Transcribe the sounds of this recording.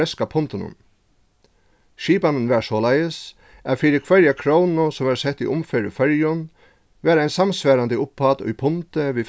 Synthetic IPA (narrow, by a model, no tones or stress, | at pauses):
ɛskapʰʊnt̪ɪnʊ̰n | ʃiːpanɪnʋɛɹsɔːlajəs | æðfiːɾɪkʰʋɛɾjakʰɾownʊsɔmæɾsɛht̪ːiʔʊmfɛɾʊ̰fœɹjʊn | ʋæːɾajnsamsʋæːɾand̪əʊpfat̪ʊ̰jpʰʊnt̪ɪʋiː